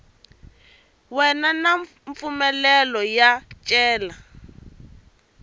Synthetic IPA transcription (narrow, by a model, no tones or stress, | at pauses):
wɛnanaɱ | ɱfumɛlɛlɔjat͡ʃʼɛːla